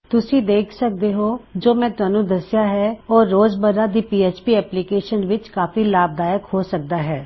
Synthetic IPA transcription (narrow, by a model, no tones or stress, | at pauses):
t̪ʊsĩːd̪eːkʰsək̚d̪eːɦoːd͡ʒoːmɛ̃ːt̪ʊaːnũːd̪əsɪjaːɦɛːɔːɾːoːzbəɾaːd̪iːpiːeːt͡ʃpiːɛːplikeːʃənʋɪt͡ʃkaːfiːlaːb̚d̪aːjəkhoːsək̚d̪aːɦɛː